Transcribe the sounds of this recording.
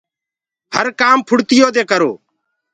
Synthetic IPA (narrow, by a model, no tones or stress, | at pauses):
həɾkaːmpʰʊɽt̪ɪjoːd̪eːkəɾoː